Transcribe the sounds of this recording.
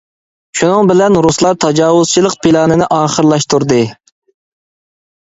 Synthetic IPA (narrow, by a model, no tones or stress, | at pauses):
ʃunɨŋbɪlɛnɾuslˠɑɾt̪ʰɑd͡ʒɑːwʊz̥t͡ʃʰilˠəqpʰilˠɑːnɨnɪʔɑːχəɾlˠɑʃt̪uɾd̪ɨ